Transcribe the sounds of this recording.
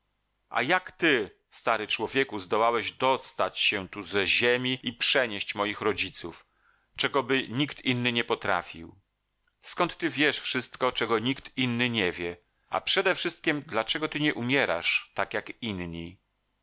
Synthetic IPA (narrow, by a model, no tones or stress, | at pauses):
ʔa̰jakt̪ɘ | st̪aɾɘt͡ʂwɔvʲjɛkuzd̪ɔwawɛʑd̪ɔst̪at͡ɕɕɛt̪uzɛʑemʲiipʂɛɲeɕt͡ɕmɔjixɾɔd͡ʑit̪suf | t͡ʂɛɡɔbɘɲikt̪inːɘɲɛpɔt̪ɾa̰fʲḭw | skɔnt̪ːɘvʲjɛʂfʂɘst̪kɔt͡ʂɛɡɔɲikt̪inːɘɲɛvʲjɛ | ʔa̰pʂɛd̪ɛfʂɘst̪̚kʲimd̪lat͡ʂɛɡɔt̪ɘɲɛʔumʲjɛɾa̰ʂt̪akjakinɲi